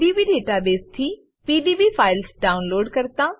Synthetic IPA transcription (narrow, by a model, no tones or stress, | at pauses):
ɖibiɖeːʈabeːst̪ʰi | piːɖiːbifʰaːɪlsɖaːʊnloːɖkɐɾt̪aː